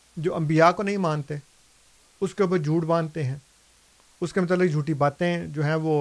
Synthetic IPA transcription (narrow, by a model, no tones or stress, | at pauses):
d͡ʒoːʔɐ̃mbijakonɐɦĩmãːnt̪e | ʊskeuːp̬əɾd͡ʒʱuːʈbãːnt̪eɦɛ̃ː | ʊskemʊt̪əlːɪɡd͡ʒʱuːʈibaːt̪ẽd͡ʒoːɦɛ̃ːʋoː